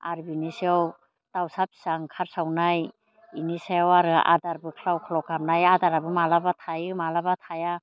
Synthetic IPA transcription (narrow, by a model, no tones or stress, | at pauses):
aɾbinisiɔw | tawsapi̥saŋkʰaɾsawnaj | inisajawaɾɯa̰daɾbɯkʰɾawkʰlɔkamnajadaɾabɯmalabatʰajɯmalabatʰaja